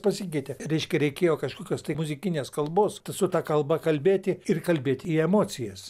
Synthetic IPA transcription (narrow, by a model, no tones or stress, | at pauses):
pɐsʲik̬ʲɛɪt̪ʲɛɾʲɛɪʃʲkʲɛɾʲɛɪkʲeːjoːkɐʃkoːkʲoːst̪ɐɪmʊzʲɪkʲɪnʲeːskɐlˠboːst̪ɐsʊt̪ɑkɐlˠbɐkɐlʲbʲeːt̪ʲɪɪrkɐlʲbʲeːt̪ʲɪiɛmoːt͡sʲɪjɛs